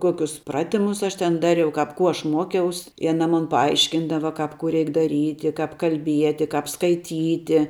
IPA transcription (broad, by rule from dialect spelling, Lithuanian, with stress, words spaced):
ˈkuɔkʲʊs ˈprɑːtʲɪmʊs ˈɐʃ tʲɛn ˈdɑːrʲɛʊ ˈkɐp ˈkuː ˈɐʃ ˈmuɔkʲɛʊs ɪ ɐˈnɐ ˈmʊn pɐˈɐɪʃʲkʲɪndɐʋɐ ˈkɐp kʊ ˈrʲɛɪk dɐˈrʲiːtʲɪ ˈkɐp kɐlʲˈbʲiɛtʲɪ ˈkɐp skɐɪˈtʲiːtʲɪ